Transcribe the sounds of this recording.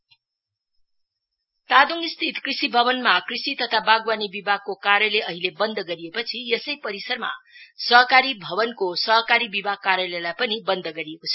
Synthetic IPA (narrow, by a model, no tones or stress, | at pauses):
t̪ad̪uŋist̪ʰit̪krisibʱʌbʌnmakrisit̪ʌt̪ʰabaɡwanibibʱaɡ̚kokaɾjʌleʌɦilebʌnd̪ʱʌɡʌɾijepʌt͡sʰiesʌjpʌɾisʌrma̰sʌɦʌkaɾibʱʌbʌnkosʌɦʌkaɾibibʱaɡ̚kaɾjʌlʌjlajpʌnibʌnd̪ʱʌɡʌɾiekot͡sʰʌ